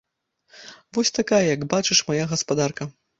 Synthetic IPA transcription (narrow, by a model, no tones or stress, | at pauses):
vɔsʲt̪akajɐjɐɡbat͡ʂɨʂmajaɣɐspad̪arkɐ